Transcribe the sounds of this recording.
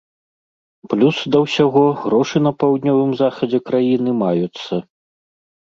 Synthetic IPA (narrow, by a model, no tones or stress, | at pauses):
plʲusd̪ɐwsʲaɣɔɣɾɔʂɨn̪ɐpawd̪̚ʲnʲɔvɨmzaxɐd͡zʲɛkɾajinɨmajut̪sːɐ